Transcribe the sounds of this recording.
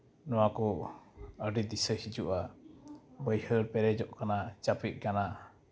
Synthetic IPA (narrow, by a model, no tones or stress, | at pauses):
nɔwakɔ | əɖid̪isəhid͡ʒuʔa | bəjhəɾpɛɾɛd͡ʒɔʔkanat͡ʃapit̪̚ˀkana